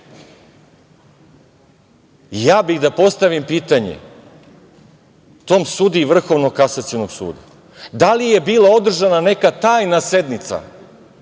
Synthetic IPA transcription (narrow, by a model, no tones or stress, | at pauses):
jaːbiɣd̪apo̞st̪aʋimpiːt̪aɲḛ | t̪o̞ːmsud̪iːʋr̩xo̞ʋnoɡ̚kːasat̪sionoɡsṵːd̪a̰ | d̪alije̞biːlao̞d̪r̩ʒanane̞kat̪aːjnase̞d̪nit̪sa̰